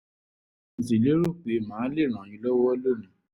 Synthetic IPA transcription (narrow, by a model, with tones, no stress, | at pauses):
n̩˨si˨lo˦ɾo˦˨k͡pe˨˦˨mãː˨˦le˦˨ɾ̃ã˨ĩ˧˦lɔ˦wɔ˦wɔ˦lo˦˨nã˨˦˨